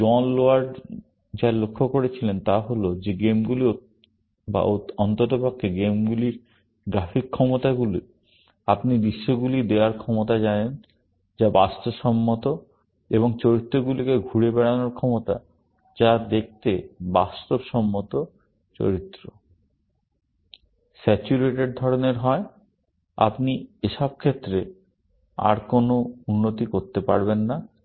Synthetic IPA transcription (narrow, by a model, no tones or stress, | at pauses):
ɔnloaɾɖ | d͡ʑalokʰːokoɾet͡ɕʰilent̪aɦolod͡ʑeɡemɡulio | ba̰oɔnt̪ot̪obakʰːeɡemɡuliɾ | ɡɾafikʰːɔmot̪aɡulḭ | apnid̪iʃːoɡulid̪eaɾkʰɔmot̪ad͡ʑanen | d͡ʑabast̪obʃɔmːot̪o | eβoŋt͡ɕoɾit̪ːɾoɡulikeɡʱuɾebɛɽanoɾkʰɔmot̪a̰ | d͡ʑad̪ek̚ʰt̪ebast̪obʃɔmːot̪o | t͡ɕo̰ɾit̪ːɾo | sɛt͡ɕuɾeʈeɖd̪ʱɔɾoneɾɦɔe | a̰pnieʃɔb̚kʰet̪ːɾe | a̰ɾkonounːot̪ikoɾt̪epa̰ɾbenːa